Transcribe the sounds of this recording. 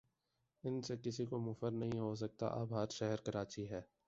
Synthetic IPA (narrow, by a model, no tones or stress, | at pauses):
ɪnsekɪsikomʊfəɾnɐɦĩɦos̬ɐk̚t̪a̰ʔɐbɦɐɾʃɛɦəɾkɐɾaːt͡ʃiɦɛː